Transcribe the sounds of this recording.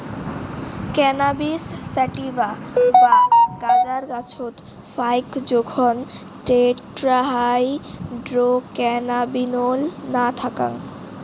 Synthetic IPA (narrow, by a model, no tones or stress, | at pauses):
kɛnabisːɛʈibabaɡad͡ʑaɾɡat͡ɕʰot̪ | fajkd͡ʑokʰɔn | ʈeʈɾaɦajɖɾokɛnabinolnat̪ʰaka̰ŋ